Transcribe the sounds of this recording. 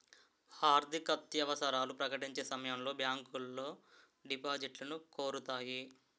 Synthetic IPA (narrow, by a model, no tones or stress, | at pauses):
aːɾd̪ʱikɐt̪jɐʋɐsɐɾaːlupɾɐkɐʈiɲt͡ʃe̞ːsɐmɐjɐmlo̞ːbjaːŋkulːoː | ɖipaːd͡ʒiʈlɐnuko̞ːɾut̪aːji